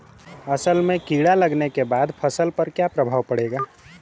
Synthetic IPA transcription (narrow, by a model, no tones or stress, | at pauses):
əsəlmẽkiːɽaləɡnekebaːd̪pʰəsəlpəɾkjapɾəbʱaːwpəɽeːɡaː